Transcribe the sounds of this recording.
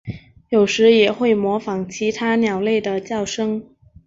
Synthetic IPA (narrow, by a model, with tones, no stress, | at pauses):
jo˨˩ʊʂɻ̩˧˥jɛ˨˩xwe˥˩ɪmwɔ˧˥fɑ˧˥ŋt͡ɕʰi˧˥t̪ʰa˥njɑ˨˩ʊle˥˩ɪd̪ə˩t͡ɕjɑ˥˩ʊʂɤ˥ŋ